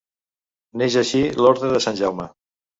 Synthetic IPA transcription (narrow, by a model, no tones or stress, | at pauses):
neʒəʃilɔɾðɾəðəsanʲʒɛwmə